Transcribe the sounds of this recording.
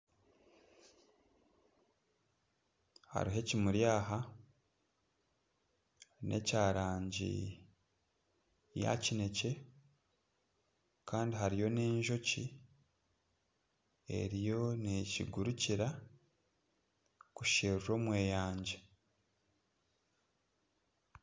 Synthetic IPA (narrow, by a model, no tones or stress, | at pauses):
ha̰ɾiɦe̞cimuɾjaːɦa | nʔe̞̰caːɾaːɲɟḭ | ja̰cine̞ce̞ | kaːndiɦaɾijo̞ne̞ːɲʒo̞cḭ | e̞̰ɾijo̞neciɡuɾuciɾa | kuʃeːɾuɾo̞ːmwe̞ːjaːɲɟe̞